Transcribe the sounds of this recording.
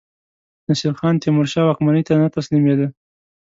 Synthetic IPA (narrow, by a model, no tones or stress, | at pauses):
nasilxɑnt̪ɪmʊɾʃɑwakmanit̪anat̪aslimed̪ə